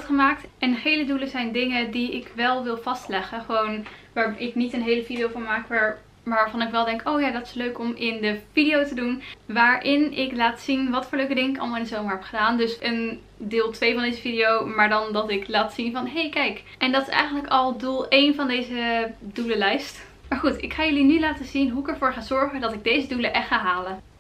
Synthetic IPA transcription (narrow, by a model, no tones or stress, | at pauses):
tχəmaːktɛndəχejləduləzɛjndɪŋəndiɪkʋɛlˠʋɪlˠv̥ɑstlɛχəχəʋownʋaːɹɪknitənɦejləvidiowvʊɹmaːkʋaːɹ | maʋaːɹvɑnɪkʋɛlˠdɛŋkʰowjaːdɑtɪ̥sløɥkɔmɪndəv̥idijowtədunʋaːɹʔɪnɪklaːtsinʋɑtfʊːɹløɥkədɪŋəɪkɑ̰lˠmɑlˠɪndəzowməɹɦɛpχədaːndɵsən | dɪːlˠtʋejvɑndejzəvidiowmaːɹdɑndɑtɪklaːtsinvɑnɦejkɛjk | ʔɛndɑtɪsɛ̰jχənləkɑlˠdulˠejnvɑndejzəduləlɛjst | maːɹχutɪkχaːjɵlinylaːtəzinɦuɪkɛɹvʊːɹχaːz̥ɔɹχədɑtɪɡ̚dejzəduləʔɛxtχaːɦaːlə